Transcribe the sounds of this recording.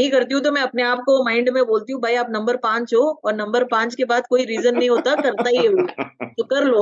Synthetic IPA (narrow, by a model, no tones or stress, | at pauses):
ɐɦĩkɐɾt̪̬iɦũt̪̬omɛ̃ɐpneaːp̚komãːɪ̃ɳɖmẽboːlt̪iɦũbʱaːiaːpnɐ̃mbəɾpãːt͡ʃɦoɔːɾnɐ̃mbəɾpãːt͡ʃkebaːd̪koːiɾiːzənːɐɦĩɦoːt̪akɐɾt̪aɦiɛɦuːsokɐɾloː